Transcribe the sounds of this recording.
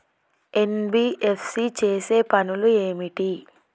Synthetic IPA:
e̞nbiːʔefsit͡ʃeːse̞ːpɐnulue̞ːmiʈi

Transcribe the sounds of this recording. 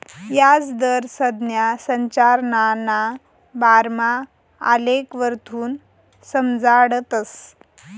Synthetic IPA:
jad͡zd̪əɾsəd̪njasəɲt͡ɕaɾnana | baɾma̰ː | lekʋəɾt̪ʰuːn | səmd͡zaɽət̪əs

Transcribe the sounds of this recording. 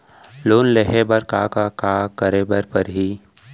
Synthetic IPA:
loːnleɦebəɾkakakaːkəɾebəɾpəɾɦiː

